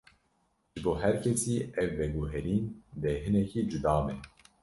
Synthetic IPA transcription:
ʒ̥ɨboːɦæɾkʰɛsiːʔɛvːɛɡuɦɛɾiːnd̪ɛɦɨnɛkiːd͡ʒud̪ɑːmɛ

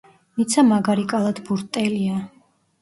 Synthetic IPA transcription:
nit̪sʰamaɡaɾikʼalˠad̪buɾt̪ʼɛlia

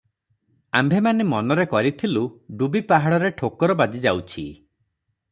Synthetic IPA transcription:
ambʱemanemɔnɔɾekɔɾit̪ʰiluɖubipaɦaɽɔɾeʈʰokɔɾɔbad͡ʒid͡ʒawt͡ʃʰi

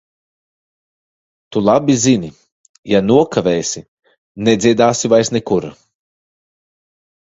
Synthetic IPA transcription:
t̪ulˠabʲizini | januɔkʰavɛːjsʲi | nɛd̪zʲiɛd̪aːsivajsnɛkuɾa̰

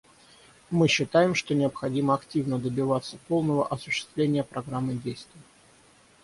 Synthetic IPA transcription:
mɨɕːɪt̪ajɪmʂt̪o̞nʲɪəpxɐdʲiməɐktʲivnəd̪əbʲɪvat̪sːəpo̞lˠnəvəʔɐsʊ̥ɕːɪ̥st̪vlʲenʲɪjəpɾɐɡɾamːɨdʲejst̪vʲɪjə

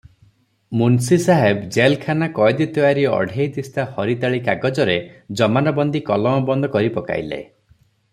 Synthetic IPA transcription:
munsisaɦebd͡ʒelkʰanakɔjd̪it̪ɔaɾiɔ̰ɖʱejt̪ist̪ahɔɾit̪aɭikaɡɔd͡ʒɔɾed͡ʒɔmanɔbɔnd̪ikɔlɔmɔbɔnd̪ʱɔkɔɾipɔka̰jlḛ

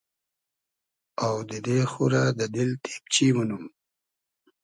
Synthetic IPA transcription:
awd̪əd̪exuɾad̪əd̪ɪlt̪ʰe̥p̚t͡ʃiwənum

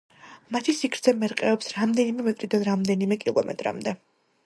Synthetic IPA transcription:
mat̪ʰisikʰɾt̪sʰɛmɛɾqʼɛɔpsɾamd̪ɛnimɛmɛt̪ʼɾid̪anɾamd̪ɛnimɛkʼilˠɔ̰mɛ̰t̪ʼɾa̰md̪ɛ

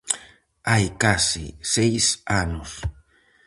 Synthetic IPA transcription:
ajkasɪ̰sejsanʊs

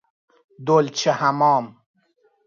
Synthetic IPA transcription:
d̪olt͡ʃʰehamɔːm

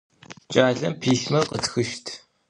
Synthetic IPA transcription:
t͡ʃʼaːɮɐmpʰiːɬmɐqətxɨʃtʰ

